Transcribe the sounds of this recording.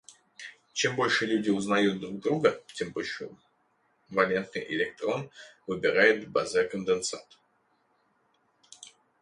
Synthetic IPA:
t͡ɕembo̞lʲʂɨlʲʉdʲɪʊznɐjut̪̚d̪ɾuɡ̚d̪ɾuɡət͡ɕʲembolʲʂɨ | vɐlʲe̞nt̪̚nɨ̰jʔɪ̰lʲɪk̚t̪ɾo̞nvɨbʲɪɾajɪt̪bɐzɛkənd̪ɨnsa̰t̪

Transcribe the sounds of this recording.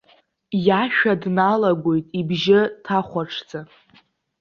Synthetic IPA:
jaʃᶣadnalaɡʷojtʼibʒɪtʰaχʷaʈ͡ʂʰd͡za

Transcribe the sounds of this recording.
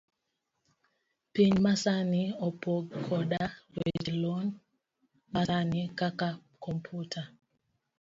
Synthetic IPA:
piɲmasaniɔpɔɡkʰɔɗalwḛd͡ʒlɔn | maanikaka | kɔmpʰutʰa

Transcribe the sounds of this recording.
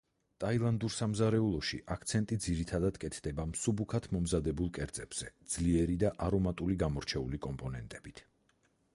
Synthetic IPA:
t̪ʼailˠand̪uɾsamzaɾɛulˠɔʃḭʔakʰt̪sʰɛnt̪ʼid̪ziɾit̪ʰad̪ad̪̥kʼɛt̪ʰd̪ɛbamsubukʰat̪ʰmɔmzad̪ɛbulˠkʼɛɾd̪zʼɛb̥z̥ɛd̪z̥liɛɾid̪aʔaɾɔmat̪ʼuliɡamɔɾt͡ʃʰɛulikʼɔmpʼɔnɛnt̪ʼɛb̥it̪ʰ

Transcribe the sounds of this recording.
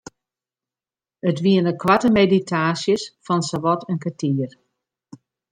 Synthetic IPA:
ətʋiənəkʋatəmeditʰaːsjəsfɔnsoʋɔtʰənkatiər

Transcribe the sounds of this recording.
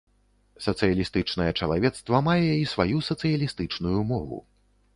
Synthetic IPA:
sɐt̪sɨjɐlʲist̪ɨt͡ʂnɐjɛt͡ʂɐlˠavʲɛt̪st̪vɐmajɛjaisvajusɐt̪sɨjɐlʲist̪ɨt͡ʂnujumɔvṵ

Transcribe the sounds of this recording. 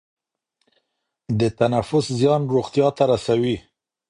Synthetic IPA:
d̪ət̪anafʊszjɑnɾoɣt̪jɑt̪aɾasawi

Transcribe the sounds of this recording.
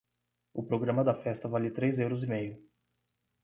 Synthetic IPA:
ʊpɾoɡɾɐ̃mɐd̪ɐfɛst̪ɐvalʲɪt̪ɾejzewɾɐzimejʊ

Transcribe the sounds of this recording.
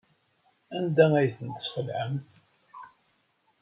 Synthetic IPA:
ænd̪ææjθənt̪əsχəlʕəmθ

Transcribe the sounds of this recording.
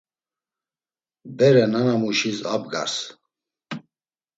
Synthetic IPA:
bɛɾɛnanamuʃisa̰b̚ɡa̰ɾs

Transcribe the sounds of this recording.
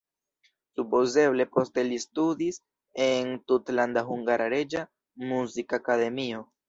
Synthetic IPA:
supo̞ze̞βle̞po̞stelistud̪is | entut̪land̪aɦuŋɡaɾaɾe̞d͡ʒa | muzikakaðe̞mio

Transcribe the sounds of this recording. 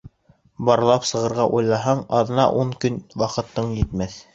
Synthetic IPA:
bɑɾɤ̆lˠɑpsɤ̆ʁɤ̆ɾʁɑʔujlˠɑɦɑɴɑðɤ̆nɑ̰ʔuɴkɵnwɑqɤ̆t̪ːɤɴjɘ̆t̪mæθ

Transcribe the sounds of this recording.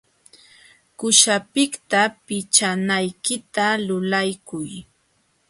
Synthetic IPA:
kʊʃapɪkt̪apɪt͡ʃanajkɪt̪alʊlajkʊj

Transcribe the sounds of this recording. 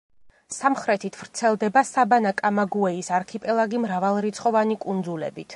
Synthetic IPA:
samχɾɛt̪ʰit̪ʰvɾt̪sʰɛlˠd̪ɛbasabanakʼamaɡuɛisaɾkʰipʼɛlˠaɡimɾavalˠɾit̪sʰχʼɔvanikʼund̪zulɛ̰bit̪ʰ

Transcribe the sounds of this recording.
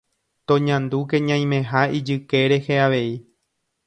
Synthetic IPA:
t̪õɲãnd̪uke̞ɲãj̃mẽ̞ɦaid͡ʒɨke̞ɾe̞heaʋe̞i

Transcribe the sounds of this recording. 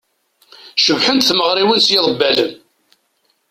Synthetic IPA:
ʃəvħənt̪θməʁɾiwənsjɪðˤəbːælən

